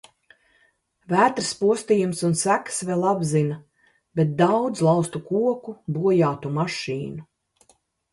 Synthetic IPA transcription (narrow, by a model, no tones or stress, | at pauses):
væːt̪ɾspuɔst̪iːjumsunsæksvɛlˠabzina | bet̪̚d̪awd̪zlˠɑwst̪ukuɔkubuɔjaːt̪umaʃiːnu